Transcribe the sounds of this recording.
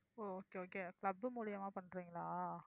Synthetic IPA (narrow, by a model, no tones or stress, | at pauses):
oːoːkeːoːkeːkɭɐbːɯmuːlɪjɐmaːpɐɳːɾiːŋɡɐɭaː